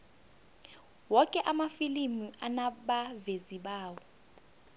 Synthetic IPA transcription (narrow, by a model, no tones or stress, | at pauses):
wɔkʼɛʔamafilimianaɓaveziɓaːwɔ